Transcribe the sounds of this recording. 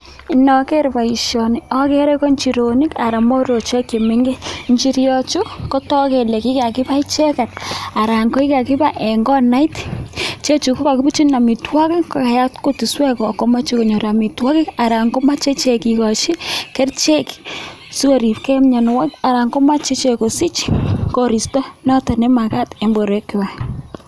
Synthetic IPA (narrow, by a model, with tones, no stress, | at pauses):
i˨nɔ˨ke˦ɾpa˨i˨ʃjo˨ni˨ɔ˦ke˦ɾe˦kɔ˦nt͡ʃi˨ɾo˨ni˦ka˨ɾa˨mɔ˦ɾo˨t͡ʃe˦kje˨meŋɡe˦ɲt͡ʃi˦ɾjɔ˦t͡ʃu˦ko˦tɔ˦ke˨le˨ki˦ka˨ki˦pa˦i˦t͡ʃe˦ka˨t̚a˨ɾa˨ŋko˦i˦ka˨kɪ˦pa˦ʔe˨ŋɡɔ˦na˦i˦tt͡ʃe˦t͡ʃu˨ku˦ka˨kɪ˦bu˦t͡ʃi˦na˨mi˨twɔ˦kɪ˦ko˨ka˨ja˦tko˦ti˨swɛ˦kɔ˨ko˦ma˦t͡ʃi˦ko˨ɲo˨ɾa˨mi˨twɔ˦kɪ˦a˨ɾa˨ŋɡo˦ma˦t͡ʃe˦t͡ʃe˨ki˨kɔ˨ʃi˦kɛ˦rt͡ʃe˦k | su˦o˨ɾi˨pkɛ˦mɲa˨n˨wa˦ka˨ɾa˨ŋɡo˦ma˦t͡ʃe˦t͡ʃe˨ko˨si˦t͡ʃko˦ɾi˨stɔ˦nɔ˦ta˨nɛ˦ma˨ka˦te˨mbo˨ɾe˨˦kːɪ˨ba˨